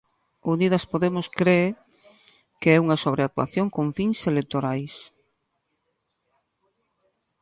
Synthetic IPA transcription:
uniðɐspoðemʊskɾeː | keɛuŋɐsoβ̞ɾeat̪wa̰θjoŋkoɱfiŋselet̪oɾajs

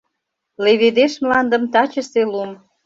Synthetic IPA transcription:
leβed̪eʃmlɑnd̪ə̆mt̪ɑt͡ɕəselum

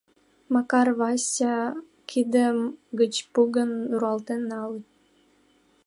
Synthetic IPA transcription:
mɑkɑrβɑsʲɑ | kʰid̪əmɡət͡ɕpuɡənuɾuɑlt̪enːɑlə

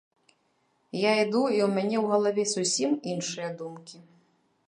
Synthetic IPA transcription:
jaid̪uiwmʲanʲɛwɣɐlˠavʲɛsusʲiminʂɨjɐd̪umkʲi

